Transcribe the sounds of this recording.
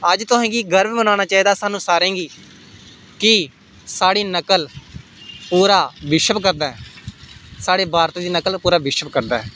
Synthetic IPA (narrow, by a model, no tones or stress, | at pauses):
əd͡ʒt̪ʊsɛ̃ːɡiːɡəɾbbənaːñaːt͡ʃaːiːd̪aːsaːnũːsaːɾẽːɡiː | kɪ | saːɽiːnəkəl | puːɾaːʋɪʃəbkəɾd̪aːɛ | saːɽeːbaːɾt̪eːd̪iːnəkəlpuːɾaːʋɪʃəpkəɾd̪aːɛː